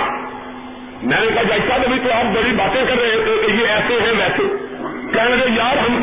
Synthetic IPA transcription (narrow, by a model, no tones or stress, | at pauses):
mɛ̃ːneːkaːd͡ʒaːɪsaːb̪əbiːt̪õːaːp̚bəɽiːbaːt̪ẽːkəɾːeːɦẽːt̪eːjeːɛːseːɦɛ̃ːʋɛːseːkɛ̃ːɳɡeːjaːɾɦəm